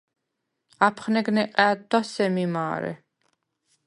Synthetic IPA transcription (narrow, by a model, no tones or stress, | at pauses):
apʰχnɛɡnɛqʼɛːd̪asɛmimaːɾɛ̰